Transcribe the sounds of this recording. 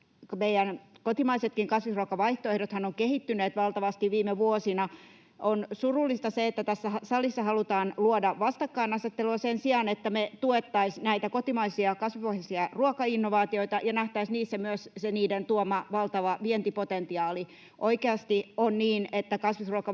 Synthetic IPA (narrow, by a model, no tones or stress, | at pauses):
kmeijænkot̪imɑiset̪kiŋkɑsʋisruokɑʋɑiht̪oehdot̪hɑnoŋkehit̪ːyneːt̪ʋɑlt̪ɑʋɑst̪iʋʋiːmeʋuosinɑ | ʔonsurulːist̪ɑseet̪ːæt̪æsːæsɑlisːɑhɑlut̪ɑːnluodɑʋʋɑst̪ɑkːɑinɑset̪ːeluɑsensiɑnet̪ːæmet̪uet̪ːɑisnæit̪ækot̪imɑisiɑkɑsʋiʋohjɑsiɑruokɑinːoʋɑːt̪ioit̪ɑjɑnæht̪æisniːsːæmyøsseniːdent̪uomɑʋɑlt̪ɑʋɑʋient̪ipot̪ent̪iɑːli | ʔoikeɑst̪ionniːnet̪ːækɑsʋisruɑkɑ